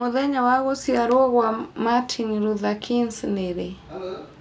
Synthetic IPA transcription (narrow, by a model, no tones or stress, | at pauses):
ɔðɛɲawaɣɔsiaɾɔɔɣwamatʰiniɾuðakʰinsnɛɾɛ